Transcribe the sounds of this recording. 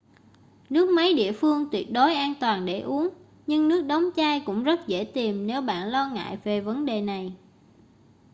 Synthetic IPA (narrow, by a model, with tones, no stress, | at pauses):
nɨ˦˥ək̚ma˨˦jɗḭ˧˨əfɨ˧əŋt̪wi˨˩ət̚ɗo˨˦jʔaː˧nt̪waː˨˩nɗe˧˩ʔu˨˦ən | ɲɨ˧ŋnɨ˦˥ək̚ɗə˨˦wŋ͡mt͡ɕaː˧jkʊ̰˧˥ŋ͡mzə˦˥t̚zḛ˧˩t̪i˨˩mne˨˦wɓa̰ː˧˨nlɔ˧ŋa̰ː˧˨jve˨˩və˨˦nɗe˨˩na˨˩j